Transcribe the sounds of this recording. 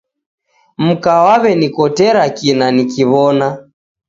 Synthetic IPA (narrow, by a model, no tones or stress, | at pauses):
m̩kawaβɛnikɔtɛɾakinanikiβɔna